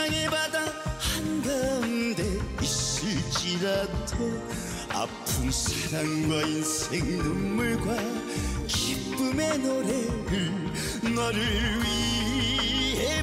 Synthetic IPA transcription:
ŋebadahandʌnde̞is͈ɯɭt͡ɕ͈iɾado | a̰pʰumsʰaɾaŋɡwainsʰe̞ŋnɯmːuɭɡwa | kip͈ɯme̞noɾeɾɯɭ | ŋʌɾɯɭɥi | ɦe

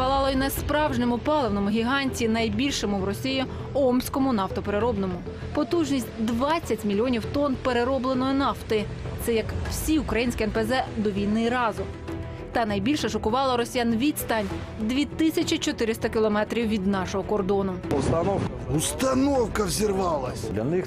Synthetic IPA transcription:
pɐlˠɑlˠɐinɐspɾɑwʒnemʊpɑlˠewnɔmʊɦʲiɦɑnʲtʲinɐjbʲilʲʃɔmʊwrɔsʲiji | ɔmsʲkɔmʊnɑft̪ɔpeɾeɾɔbnɔmʊ | pɔt̪uʒnʲisʲtʲd̪ʋɑt͡sʲːɐtʲmʲilʲiɔnʲiwt̪ɔnpeɾeɾɔblˠenɔjinɑft̪ɪt̪sɛjɐkw̥sʲiʊkɾɐjinʲsʲkʲɪɛnpezɛd̪ɔʋʲijnɪɾɑzʊ | t̪ɐnɐjbʲilʲʃɛʃɔkʊʋɑlˠɐɾɔsʲijanʋʲid̪ʲst̪ɑnʲ | d̪ʲʋʲit̪ɪsʲɐt͡ʃʲit͡ʃɔt̪ɪɾɪst̪ɐkʲɪlˠɔmɛt̪ɾʲiwʋʲid̪nɑʃɔɦɔkɔrd̪ɔnʊɔst̪ɐnɔwk | ust̪ɐnɔwkɐwzʲirʋɑlˠɐsʲlʲɐ̰nɪx

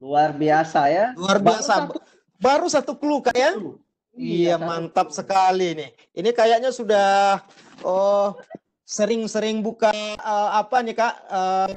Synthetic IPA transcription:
luarbiasajaluarbiasa | baɾusat̪uklukaʔja | ijamant̪ap̚səkalinɪh | inikajaʔɲasudah | ə | səɾɪŋsəɾɪŋbukaəːpanikaʔə

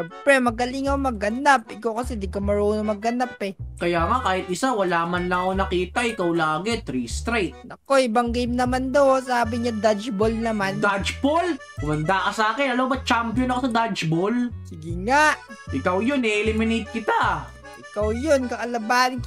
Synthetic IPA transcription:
ɛmpɾɛmɐɡɐlɪŋɐmɐɡɐnapʔɪkawkɐsɛd̪ɪɡ̚komɐɹoːnomɐɡɐnapɛkɐjaːŋakaːhɪt̪̚ʔɪsawɐlaːmɐnlɐʔonɐkiːt̪ɐʔɪkawlaːɡɛt̪ɾist̪ɾɛjt̪̚nɐko̞ɪbɐŋɡejmnɐmand̪osaːbɪɲad̪ad͡ʒbolnɐmand̪ad͡ʒbol | kʊmɐnd̪akɐsɐaːkɪnɐlɐwbɐt͡ʃampjonɐkosɐd̪ad͡ʒbolsɪɡɪŋaʔʔɪkawjonɛɛlɪmɪnɪt̪̚kɪt̪a | ʔɪkawjonkɐʔɐlɐbaːɪŋk

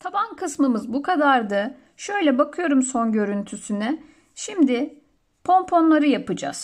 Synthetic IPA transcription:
t̪ʰabankʰɯsmɯmɯzbukʰad̪aɾd̪a | ʃø̞jlʲɛbakʰɯjo̞ɾumso̞nɟø̞ɾynt̪ʰysynɛ | ʃimd̪ɪ | pʰo̞mpʰo̞nlˠaɾɯjapɯd͡ʒa̰z̥

